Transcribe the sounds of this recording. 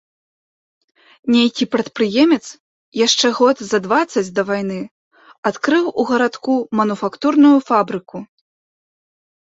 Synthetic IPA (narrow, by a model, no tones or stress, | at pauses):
nʲejkʲipɾɐt̪pɾɨjɛmʲɛt̪s | jaʂt͡ʂɛɣɔt̪zɐd̪vat̪sːɐt͡sʲd̪ɐvajn̪ɨ | at̪kɾɨwuɣɐɾat̪kumɐnufakt̪urnujufabɾɨku